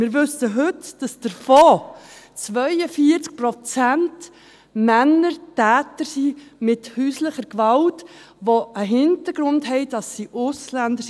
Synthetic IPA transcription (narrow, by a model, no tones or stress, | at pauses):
mɪːɾʋɵsəɦɵtd̥ɑsd̥əɾfɔː | t͡sʋœɪəfiəɾt͡sk̚pɾɔt͡sænt | mænːəɾtæːtəɾsimɪthyːsləχəɾkʋɑlt | ʋoəɦɪntəɾɡ̥ɾʊndɦɛɪd̥ɑsːiʔʊslændə